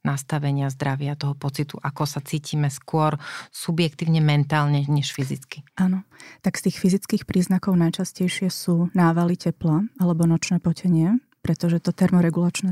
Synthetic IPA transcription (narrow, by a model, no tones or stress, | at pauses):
nast̪aʋɛɲɪazd̪ɾaʋɪat̪ɔɦɔpɔt͡sit̪ṵʔakɔsat͡siːciːmɛskʊɔɾsubjɛkt̪iːʊɲɛmɛnt̪aːlɲɛɲɛʃfizit͡skiʔaːnɔt̪akst̪iːxfizit͡skiːxpɾiːznakɔʊnajt͡ʃascɛjʃɪɛsuːnaːʋalicɛplaalɛbɔnɔt͡ʃnɛːpɔcɛɲɪɛ | pɾɛt̪ɔʒɛt̪ɔt̪ɛɾmɔɾɛɡulat͡ʃnɛ